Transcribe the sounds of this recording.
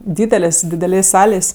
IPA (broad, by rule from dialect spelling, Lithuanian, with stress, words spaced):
ˈdʲiːdʲɛlʲeːs dʲɪdʲɛˈlʲeːsʲ ˈsɑːlʲeːsʲ